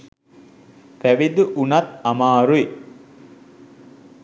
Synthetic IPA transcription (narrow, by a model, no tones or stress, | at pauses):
fæʋid̪uʔunɐt̪amaːɾui